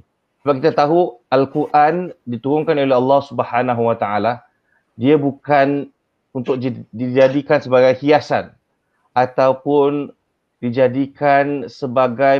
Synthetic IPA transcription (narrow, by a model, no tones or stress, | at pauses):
səbab̚kit̪at̪aɦualkuɾʔandit̪uɾʊŋkanoleɦɑlːɑhsubəhanãɦuwat̪aʔala | diabukan | unt̪ʊk̚did͡ʒadikansəbaɡajhiasa̰n | ʔat̪awpʊn | did͡ʒadikansəbaɡaj